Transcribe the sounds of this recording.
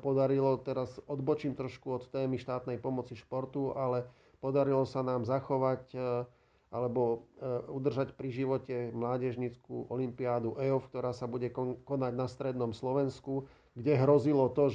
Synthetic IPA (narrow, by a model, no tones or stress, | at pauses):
pɔd̪aɾilɔt̪ɛɾasɔd̪bɔt͡ʃiːmt̪ɾɔʃkuɔt̪t̪ːɛːmiʃt̪aːt̪nɛjpɔmɔt͡siʃpɔɾt̪ualɛ | pɔd̪aɾilɔsanaːmzaxɔʋac | ʔalɛbɔud̪r̩ʒacpɾiʒiʋɔcɛmlaːɟɛʒɲit͡skṵʔɔlimpiaːd̪uʔɛɔfk̚t̪ɔɾaːsabuɟɛkɔnaɟnast̪ɾɛd̪nɔmslɔʋɛnsku | ɡɟɛɦɾɔzilɔt̪ɔ